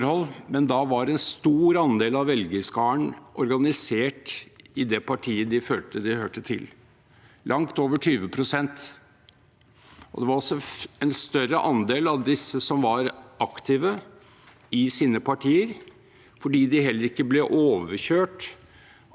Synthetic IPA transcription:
ɾhɔlːmɛnd̪ɑʋɑɾɛnst̪uːɾɑnd̪eːlɑʋʋɛlɡəskɑːəɳʔɔɾɡɑnɪseːʈɪd̪ɛpʰɑʈʰiːəd̪ɪføːlt̪əd̪ɪhøːʈət̪ʰɪ̰l | lʔɑŋt̪oːʋəʈʰyːʋəpʰɾʊsɛnt̪ | ɔ̰d̪ɛʋɑɾɔsɔɛnst̪œɾəʔɑnd̪eːlɑʋd̪ɪsːəsɔmʋɑɾʔɑkt̪ʰiːʋə | ɪsiːnəpʰɑʈʰiːəɾ | fɔɖiːd̪ɪɦɛlːəɾɪkːəblɛʔoːʋəçøːʈ

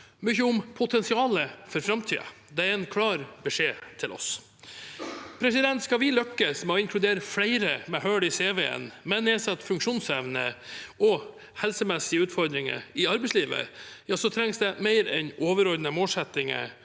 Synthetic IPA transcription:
mʏçəʊmpʰʊt̪ʰɛnsɪɑːləfɔɾfɾɑmt̪ʰḭːə̰ | d̪ɛæɾɛnkʰlɑːɾbɛʂeːt̪ʰɪlʔɔ̰s | pʰɾɛsɪd̪ɛnt̪skɑʋɪlœkːəsmɛɔɪŋkʰlʉd̪eːɾəflæɪɾəmɛhøːɽɪseːʋeːə̰nmɛnːɛːsɑt̪ːfʉŋkʂuːnsɛʋnəʔɔ | hɛlsəmɛsɪəʉːt̪fɔɾd̪ɾɪŋə̰ɪɑɾbɛɪsliːʋə̰jɑːsɔt̪ʰɾɛŋsd̪ɛmæɪɾɛ̰noːʋəɾɔɾd̪nəmoːlsɛt̪ːɪŋə̰

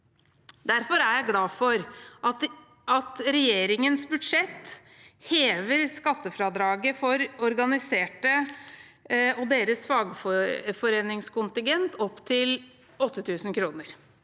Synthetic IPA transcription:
d̪æɾfɔɾæɾjæɪɡlɑːfɔɾ | ɑt̪ɾɛjeːɾɪŋənsbʉd̪ʂɛt̪ː | heːʋəɾskɑt̪ːəfɾɑːd̪ɾɑːɡəfɔɾɔɾɡɑnɪseːʈə | ɔd̪eːɾəsfɑːɡfɔfɔɾeːnɪŋskʊnt̪ɪŋɡɛnt̪ɔpːt̪ʰɪl | ɔt̪ːət̪ʰʉːsn̩kʰɾuːnəɾ

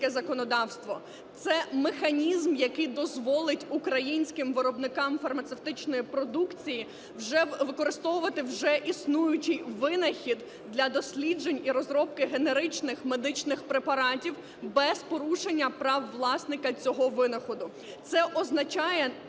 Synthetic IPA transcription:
kɛzɐkɔnɔd̪ɑwst̪ʋɔ | t̪sɛmexɐnʲizmjɐkɪjd̪ɔzʋɔlˠɪtʲukɾɐjinʲsʲkɪmʋɪɾɔbnɪkɑmfɐrmɐt̪sewt̪ɪt͡ʃnɔjipɾɔd̪ukt͡sʲiji | wʒɛʋɪkɔɾɪst̪ɔʋʊʋɐt̪ɪwʒɛʔisnujʊt͡ʃɪjʋɪnɐxʲid̪ | d̪lʲɐd̪ɔsʲlʲid͡ʒenʲiɾɔzɾɔp̚kɪɦeneɾɪt͡ʃnɪxmed̪ɪt͡ʃnɪxpɾepɐɾɑtʲiw | bɛzpɔɾuʃenʲːɐpɾɑwːlˠɑsnɪkɐt͡sʲɔɦɔʋɪnɐxɔd̪ʊ | t̪sɛʔɔznɐt͡ʃɑjɛ

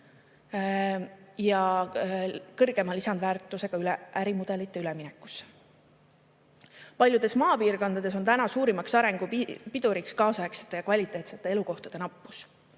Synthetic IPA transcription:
jɑ | kɤrɡ̥e̞mɑlisɑnd̪væːrt̪ːˑuse̞ɡ̥ɑylɛʔæɾimud̪̥e̞lit̪ˑːe̞yleminɛkːˑu̥s | pɑlʲjud̪e̞smɑːpiːrko̞nd̪̥ɑd̪e̞s̬o̞nt̪ænɑsuːɾimɑksɑɾe̞ŋɡ̥upid̪̥uɾikskɑːsɑekse̥t̪ːˑe̞jɑkvɑlʲit̪ːˑe̞ːt̪set̪ːˑe̞e̞luko̞ht̪ɑd̥̪e̞nɑpːu̥s

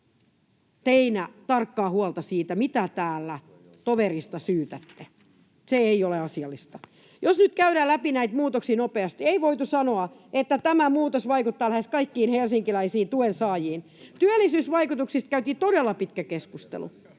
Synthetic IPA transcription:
t̪einæt̪ɑrkːɑːhuɑlt̪ɑsiːt̪æmit̪æt̪æːlːæ | t̪oʋerist̪ɑsyːt̪æt̪ːe | seeioleɑsiɑlːist̪ɑ | josnyt̪kæyɾæːlæpinæit̪muːt̪oksiːnopeɑst̪ieiʋoit̪usɑnoɑet̪ːæt̪æmæmuːt̪osʋɑikut̪ːɑːlæheskɑikːiːnhelsiŋkilæisiːt̪uensɑːjiːn | t̪yælːˑisyːsʋɑikut̪uksist̪kæyt̪iːt̪odelːɑpit̪kækeskust̪ḛlṵ

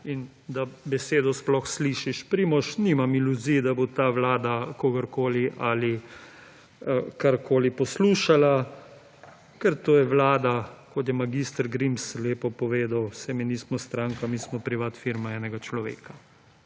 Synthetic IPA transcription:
in | d̪abɛseːd̪ɔsplɔxsliːʃiʃpɾiːmɔʃnimamiluzijd̪abot̪aːʋlaːd̪akoːɡɐɾkoːliʔali | kaɾkʰoːlipɔsluːʃala | kɛɾt̪oːjɛʋlaːd̪akɔt̪jɛmaɡist̪əɾɡɾimsleːpɔpɔʋeːd̪awsɛminismɔst̪ɾaːŋkamiːsmɔpɾiʋat̪fiɾmaɛːnɛɡat͡ʃlɔʋḛːka

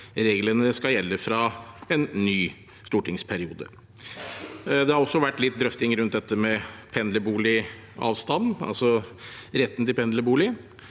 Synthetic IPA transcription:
ɾeːɡlənəskɑjɛlːəfɾɑɛnːyː | st̪uːʈɪŋspʰæɾɪṵːd̪ə̰ | d̪ɛhɑɾɔsːɔʋæʈːlɪt̪̚d̪ɾœft̪ɪŋɾʉnt̪̚d̪ɛt̪ːəmɛpʰɛnd̪ləbuːlɪ | ɑ̰ːʋst̪ɑnːɑ̰lsɔɾɛt̪ːnt̪ɪlpʰɛnd̪ləbuːlɪ

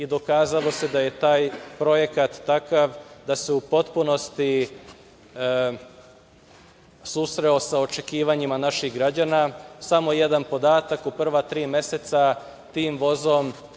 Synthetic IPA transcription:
id̪o̞kaːzalo̞se̞d̪aje̞t̪aːjpɾo̞je̞kat̪ːakaʋd̪aseupo̞t̪puno̞st̪i | susɾe̞o̞sao̞t͡ʃe̞kiːʋaɲimanaʃiɣɡɾad͡ʑanasamo̞je̞d̪anpo̞d̪aːt̪akupr̩ʋat̪ɾiːmje̞set̪sa | t̪iːmʋo̞zo̞m

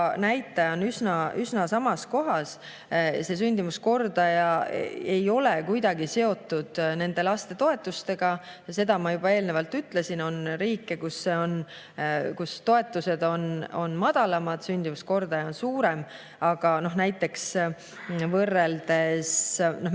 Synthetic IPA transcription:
næjt̪ːˑɑjɑonysnɑʔysnɑsɑmɑsko̞ɦɑs | se̞s̬ynʲd̪̥imusko̞rd̪̥ɑjɑ̰e̞jo̞le̞kujd̪̥ɑɡise̞o̞t̪ˑːud̪̥ne̞nd̪̥e̞lɑst̪e̞t̪o̞e̞t̪ːˑust̪e̞ɡ̥ɑ | se̞d̪ɑmɑjub̥ɑe̞ːlne̞vɑlt̪ːyt̪ːˑle̞sino̞nɾiːkːekusːe̞o̞n | kust̪o̞e̞t̪ːˑuse̞d̪̥o̞no̞̰nmɑd̪̥ɑlɑmɑd̪̥synʲd̪̥imusko̞rd̪̥ɑjɑonsuːɾe̞m | ɑɡ̥ɑno̞hnæjt̪ːˑe̞ks | vɤrːe̞ld̪e̞sno

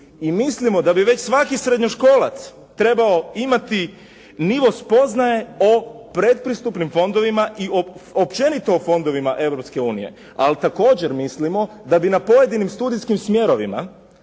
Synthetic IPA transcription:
imislimo̞d̪abiʋe̞t͡ɕsʋakisɾed̪ɲoʃko̞ːla̰t̪s | t̪ɾe̞baoimat̪i | niʋo̞spo̞znaje̞o̞pɾe̞t̪̚pɾist̪upnimfo̞nd̪o̞ʋimaʔioopt͡ɕe̞nit̪oofo̞nd̪o̞ʋimaʔe̞wɾo̞pske̞uːnijḛ | a̰lit̪ako̞ːd͡ʑeɾmislimo̞ | d̪abinapo̞je̞d̪inimst̪uːd̪ijskimsmje̞ɾoʋima̰

